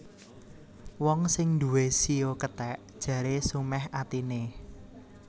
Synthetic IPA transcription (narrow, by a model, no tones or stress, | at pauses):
wɔŋsɪŋnd̪ṳwesiokət̪ɛʔd̥ʒ̥ä̤ɾesumɛhat̪ine